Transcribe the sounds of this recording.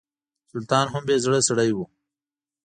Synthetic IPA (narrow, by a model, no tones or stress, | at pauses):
sʊlt̪ɑːnɦambezɽəsaɽajwu